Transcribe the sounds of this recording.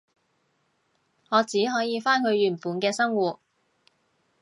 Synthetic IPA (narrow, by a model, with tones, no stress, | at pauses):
ŋɔː˨˧t͡siː˨˥ɦɔː˨˥jiː˨˧faː˥nkʰɵ˨˧ɥɥyː˨˩npuː˨˧nkɛː˧sɐ˥ŋwuː˨˩t̚